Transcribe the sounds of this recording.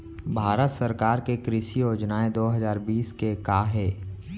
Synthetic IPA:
bʱaːɾət̪səɾkaːɾkekɾɪʃijoːd͡ʒnaẽd̪oːɦɐzaːɾbiːskekaːɦɛː

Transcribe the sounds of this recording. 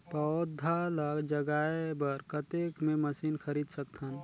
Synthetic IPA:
pəd̪ʱːaləɡd͡ʒəɡaebəɾkət̪ekmeməsinkʰəɾid̪səkt̪ʰən

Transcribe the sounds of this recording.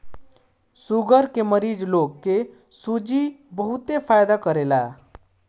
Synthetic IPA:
suɡəɾkeməɾiːd͡ʒloɡke | sud͡ʒibəɦut̪epʰajd̪akəɾela

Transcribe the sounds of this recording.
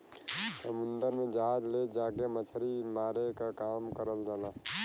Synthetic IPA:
səmʊnd̪əɾmẽd͡ʒaɦad͡ʒled͡ʒaːkemət͡ʃʰəɾimaːɾekakaːmkəɾəld͡ʒaːna

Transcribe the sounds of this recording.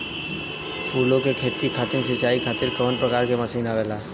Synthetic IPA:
pʰuːlokekʰeːt̪ikʰat̪ɪnsɪt͡ʃaːikʰaːt̪ɪɾkəmənpɾəkaːɾkeməsiːnaʋela

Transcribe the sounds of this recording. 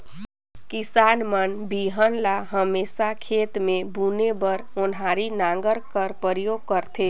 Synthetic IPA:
kisaːnmənbiɦənlaɦəmeːsakʰet̪mebʱunebəɾonɦaɾinaŋɡəɾkəɾpəɾjoɡ̚kəɾt̪ʰe

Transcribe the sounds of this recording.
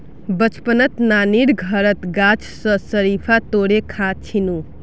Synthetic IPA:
bət͡ʃpənət̪naniɾɡʱəɾət̪ɡat͡ʃʰsə̃səɾipʰat̪oɾekʰãt͡ʃʰinu

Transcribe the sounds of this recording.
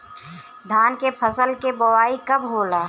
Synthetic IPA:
d̪ʱaːnkepʰəsəlkebəwaːikɐbɦoːlaː

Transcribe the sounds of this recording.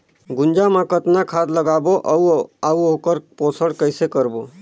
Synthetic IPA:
ɡʊnd͡ʒamãkət̪nakʰad̪ləɡaboʔuauokəɾposəɽkəɪsekəɾbo

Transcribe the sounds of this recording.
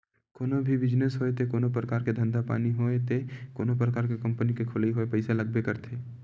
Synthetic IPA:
koːnobʱibɪd͡ʒnəsɦoːet̪ekoːnop̬ɾəkaːɾked̪ʱə̃nd̪apa̰ːniɦoːet̪ekoːnopɾəkaːɾkekɐ̃mpənikekʰʊliɦoːepɐɪselɐɡ̚bekɐɾt̪ʰeː

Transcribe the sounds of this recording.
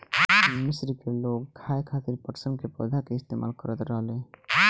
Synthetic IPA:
mɪsɾikelokkʰajkʰat̪iɾpəʈsəmkepə̰d̪ʱakeɪst̪emʔa̰lkəɾət̪ɾəɦle

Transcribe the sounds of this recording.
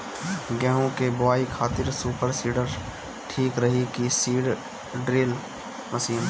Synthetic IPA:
ɡɛ̃ːɦõkebʊaːikʰaːt̪ɪɾsuːpəɾsiːɖəɾ | ʈʰiːkɾɐɦikisiːɽ | ɖɾeːl | mɐsiːn

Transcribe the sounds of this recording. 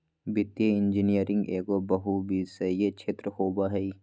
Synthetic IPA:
bɪt̪jeɪ̃nd͡ʒinijəɾɪ̃ŋɡeːɡoːbɐɦubisejet͡ʃʰeːt̪ɾəhoːbaːɦɛi

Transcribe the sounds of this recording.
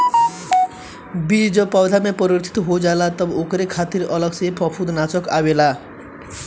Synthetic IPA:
bid͡zʌpawd̪ʱamepʌɾrt̪ʰi̥t̪ɦod͡zalat̪ʌbokɾekʰat̪iɾʌlʌɡsepʌpʰud̪nat͡sʌkawela

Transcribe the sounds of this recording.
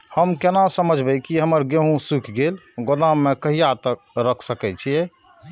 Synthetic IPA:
həmkenasəməd͡ʒʱbəkiɦəməɾɡeɦũsukʰɡelɡod̪amːekəɦijat̪ək̚ɾəkʰsəkɛt͡ʃʰijɛ

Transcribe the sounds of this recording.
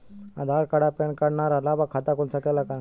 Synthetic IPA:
ad̪ʱaːɾkəɽapenkəɽnaɾalaːbakʰaːt̪akulsəkelakãː

